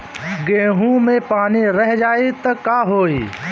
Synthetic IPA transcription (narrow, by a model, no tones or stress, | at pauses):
ɡẽːɦũmẽpaːniɾəɦd͡ʒaːit̪ɐkaːɦoːiː